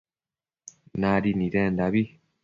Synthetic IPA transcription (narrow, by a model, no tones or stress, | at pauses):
naɾiniɾɛndaβi